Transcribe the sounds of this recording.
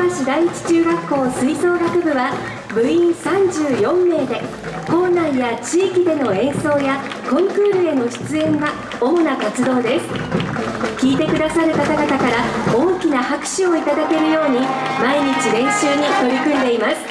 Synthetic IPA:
aɕid̪aiit͡ɕi̥t͡ɕɨːɡakːo̞ːsɨiso̞ːɡakɯ̟bɯ̟βa | bɯ̟ĩɰ̃sãɲd͡ʑɨːjõ̞mːe̞ːd̪e̞ | ko̞ːnãɰjat͡ɕiːkʲid̪e̞no̞ẽ̞ɰ̃so̞ːja | kõ̞ŋkɯːɾɯ̟e̞no̞ɕi̥t͡sɨẽ̞ŋɡa | o̞ːnakat͡sɨd̪o̞ːd̪e̞sɨ̥ | kʲiːt̪e̞kɯ̟d̪asaɾɯ̟kat̪aɡaɡt̪akaɾao̞ːkʲinahakɯ̟̥ɕio̞it̪ad̪ake̞ɾɯ̟jo̞ːɲ̟imaiɲ̟it͡ɕiɾẽ̞ɰ̃ɕɨːɲ̟it̪o̞ɾʲikɯ̟̃nd̪e̞imasɨ̥

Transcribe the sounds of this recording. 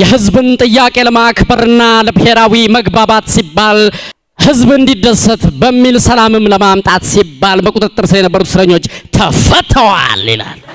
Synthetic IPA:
jɛɦɨzbɨnt̪ʼɨjːakʼe̞ləmakbəɾɨnːaləbhe̞ɾawiməɡbabat̪sibːal | hɨzbɨnd̪id̪ːəsət̪bəmːilsəlamɨmləmamt̪ʼat̪sibːalməkʼut̪ʼɨt̪ʼːɨɾsɨləjɛnəbːəɾut̪sɨɾəɲːo̞t͡ʃːt̪ʰəfət̪ʰəwa̰lːḭla̰l

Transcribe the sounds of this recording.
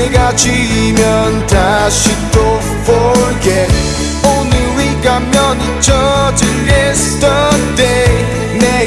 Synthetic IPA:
ɡat͡ʃimjʌn̩tʰaʃito | fɔɹɡɛt | õʊ̃nliɹiɡamjɔnit͡ʃʰɔtɨjɛstəde | nɛ

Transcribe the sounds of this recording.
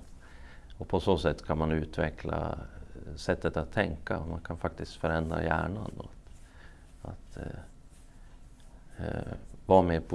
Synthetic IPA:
ɔpʰɔsoːsɛt̪ːkʰanmanʉ̟ːt̪vɛkʰla̰ | sɛt̪ːət̪at̪ʰːɛŋkːamankʰanfak̚t̪ɪst̪fœɾɛnd̪ɾa̰jæ̰ːɳanɔt̪ | a̰t̪ | vɑːmeːpʰʊ

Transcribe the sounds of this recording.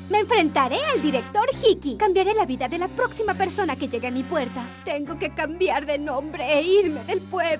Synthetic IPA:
me̞ːɱfɾe̞nt̪aɾe̞ald̪iɾe̞k̚t̪o̞ɾxikikambjaɾe̞laβiðaðe̞lapɾo̞ksimape̞ɾso̞nake̞ʝe̞ɣemipwe̞ɾt̪at̪eŋɡo̞ke̞kambjaɾðenõmbɾeːiɾmeðelpweβ

